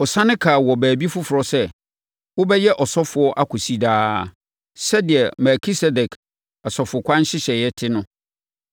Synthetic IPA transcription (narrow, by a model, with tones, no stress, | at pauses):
ɔ˨sã˦nɪ̃˦kʰaː˨wɔ˨bæː˨bi˦fʊ˦fʊ˨ɾɔ˨sɛ˦ | wʊ˦bɛ˦jɛ˦ʔɔ˨sɔ˦fʊ˨˦ɔ˦ʔa˦kʰʊ˨si˦daː˦˨ | sɛ˦dɪ˨ɛ˨mɛ˨kʰi˦sɛ˦dɛ˨kʰ | a˨sɔ˨fʊ˨kʰʷã˦n˦ɕɪ˦ɕɛ˨jɛ˦tʰɪ˦nʊ̃˦